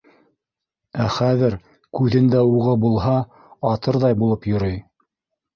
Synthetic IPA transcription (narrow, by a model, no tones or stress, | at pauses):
æχæðɘɾ | kʉðɘ̆nd̪æuʁɤbulˠɦɑ | ɑt̪ɤɾðɑjbulˠɤpjŏɾɤj